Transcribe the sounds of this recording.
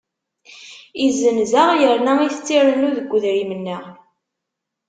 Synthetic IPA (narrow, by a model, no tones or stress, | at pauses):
izːənzæʁjəɾnæiθət͡sːiɾˤənuðəɡʷːəðɾimənːəʁ